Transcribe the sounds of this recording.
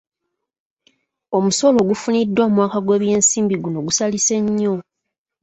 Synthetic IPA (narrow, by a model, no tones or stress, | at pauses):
o̞muso̞lo̞ːɡufunidːwaːmwaːkaɡwe̞ːβje̞ːnsiːmbiɡuno̞ɡusalise̞ɲːo̞